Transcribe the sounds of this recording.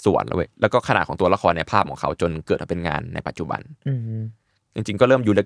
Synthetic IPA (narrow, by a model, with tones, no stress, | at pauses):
sṵ˨˩ə˦nlṵ˦˧˩jlɛː˦˥wkɔː˥˩kʰa˧na̰ː˨˩t̚ʰɔː˩˦ŋt̪u˧ɐ˧la˧˩xʰɔː˧nːɛ˧pʰaː˥˩p̚kʰɔː˩˦ŋkʰa˦˥wt͡ɕo˧nkɤː˨˩t̪̚ma˧˨pe˧nŋa̰ː˧nːa̰˧jpa˨t̪̚t͡ɕu˨˩ba̰˧n˧ | t͡ɕi˧ŋt͡ɕi˧ŋkɔː˥˩ɾɤː˥˩mjuː˧lɛ˦˥˩